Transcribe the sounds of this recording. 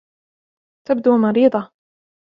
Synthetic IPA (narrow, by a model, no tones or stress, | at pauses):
t̪ab̚d̪uːmɑɾiːd̪ˤɑ